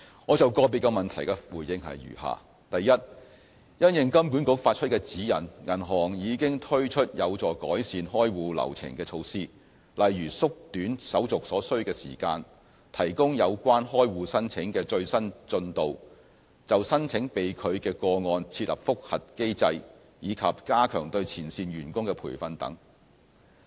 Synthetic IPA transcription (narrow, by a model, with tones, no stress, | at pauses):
ŋɔː˨˧t͡sɐ˨wkɔː˧p̬iː˨˩kːɐ˧mɐ˨nt̪ʰɐ˨˩jkɐ˧˥fuː˨jɪ˨˧ŋhɐ̰˨jjy̰ː˨˩ha̰ː˨ | t̪ɐ˨jjɐ˥t̚ | jɐ˥njɪ˨ŋkɐ˥mk̬u˨˥nkʊ˨˧˥k̚faː˧t̚t͡ʃʰɵ˥t̚kɛː˧t͡siː˨˥jɐ˨˩nŋɐ˨˩nɦɔː˨˩ŋjiː˨˧kɪ˥ŋt̪ʰɵ˥ɥt͡ʃʰɵ˥t̚jɐ˨˧wt͡sɔː˨˩kɔ̰ː˨˥jsiː˨˧nɦɔː˥jwuː˧lɐ̰˨˩wt͡sʰɪ̰˨˩ŋkɛː˧t͡ʃʰo˧wsiː˥ | lɐ˨jːyː˨˩sʊ˥k̚t̪yː˨˥nsɐ˨˥wt͡sʊ˨k̚sɔː˨˥sɵ˥ɥkɛː˧sḭː˨˩kaː˧n | t̪ʰɐ˨˩jkʊ˥ŋjɐ˨˧wkʷaː˥nɦɔː˥jwuː˨˧sɐ˥nt͡sʰɪ˨˥ŋkɛː˧t͡ʃɵ˧ɥsɐ˥nt͡sɵ˧nt̪o˨w | t͡sɐ˨wsɐ˥nt͡sʰɪ˨˥ŋpe˨jkʰɵ˨˧ɥkɛː˧kɔː˧ŋɔː˧nt͡sʰiː˧t̚lɐ̰˨˩p̚fʊ˥k̚hɐ˨t̚ke˥jt͡sɐ˧j | jiː˨˧kʰɐ˨p̚kaː˥kʰœ̰ː˨˩ŋt̪ɵ˧ɥt͡sʰiː˨˩nsiː˧nɥyː˨˩nkʊ˥ŋkɛ˧pʰṵː˨˩jfɐ˧nt̪ɐ̰˨˥ŋ